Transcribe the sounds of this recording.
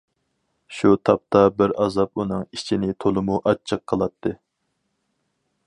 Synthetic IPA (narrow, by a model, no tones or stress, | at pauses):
ʃut̪ʰɑp̚t̪ʰɑbɪɾɑzɑp̚unɨŋit͡ʃʰinɪt̪ʰolˠɨmuʔɑt͡ʃʰːəqʰːəlˠɑt̪ʰːɨ